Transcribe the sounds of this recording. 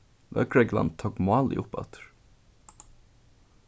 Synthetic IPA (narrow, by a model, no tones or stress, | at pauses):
lœ̰ːkɹɛɡla̰n̚t̪ʰoːkmɑːlɪ̰ʔʊpɑ̰t̪ɹ̥